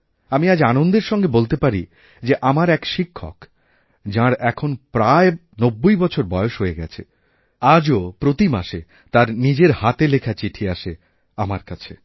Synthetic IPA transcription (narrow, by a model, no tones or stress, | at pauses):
amiad͡ʑanond̪eɾʃɔŋɡebolt̪epaɾi | d͡ʑeʔamaɾɛkʃikʰːɔ̰k | d͡ʑãɾɛkʰonpɾae | nobːojbɔt͡ɕʰoɾbɔeoʃɦoeɡɛ̰t͡ɕʰe | ad͡ʑopɾot̪ima̰ʃe | t̪aɾnid͡ʑeɾhat̪elekʰat͡ɕiʈʰiaʃe | amaɾkat͡ɕʰe